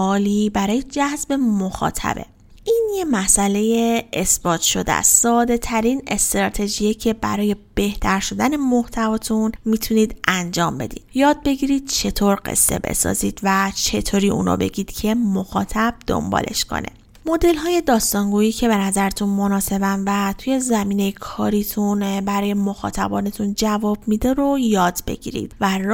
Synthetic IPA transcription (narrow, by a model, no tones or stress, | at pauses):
ɒːlibæɾɒːje̞d͡ʒæzbe̞moxɒ̰ːt̪ʰæ̰be̞̰ | ʔinje̞mæsʔæle̞jeesbɒːt̪ʰʃo̞d̪̰æ̰sːɒːd̪e̞t̪ʰæɾine̞st̪ɾɒːt̪ʰe̞d͡ʒijecʰe̞bæ̰ɾɒːje̞b̥e̞ht̪ʰæɾʃo̞d̪æne̞moht̪ʰævɒːt̪ʰunmit̪ʰuniːd̪ʔænd͡ʒɒːmbe̞̰d̪ḭːd̪jɒːd̪̚be̞ɟiɾiːd̪̥̚t͡ʃʰe̞t̪ʰoɾɢḛsːe̞̰be̞̰sɒ̰ːziːd̪̥væt͡ʃʰe̞t̪ʰoːɾiːṵːn̰ːbe̞̰ɟiːd̪̥cʰe̞moxɒ̰ːt̪ʰæb̥̚d̪̥o̰mbɒ̰ːle̞̰ʃkʰo̰nʔe̞̰ | mo̞d̪e̞lɦɒːje̞d̪ɒːst̪ɒŋɡuiːcʰe̞be̞næzæɾet̪ʰunmo̞nɒːse̞bænvæt̪ʰuːje̞zæmiːne̞jekʰɒːɾiːt̪ʰunbæɾɒːje̞mo̞xɒ̰ːt̪ʰæ̰bɒːne̞t̪ʰund͡ʒævɒːbmid̪eɾo̞jɒːd̪be̞̰ɟḭːɾḭd̪̥væ